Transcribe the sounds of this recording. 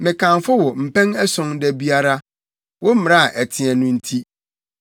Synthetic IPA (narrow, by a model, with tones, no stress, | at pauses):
mɪ̃˨kʰã˨nfʊ˦wɔ˨m̩˨pʰɛ̃˦nɛ˦sɔ̃˨˦ŋdɛ˦bi˦a˦ɾa˦ | wɔ˦m̩˦m̃˨ã˦˨ʔæ˨tʰɪ̃˨ɛ̃˨nʊ̃˦n̩˦tʰi˦